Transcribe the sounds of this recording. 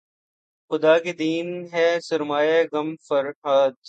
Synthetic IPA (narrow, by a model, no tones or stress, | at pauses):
xʊd̪aːked̪iːnɦɛsɐɾmaːjeɣɐmfɐɾɦaːd̪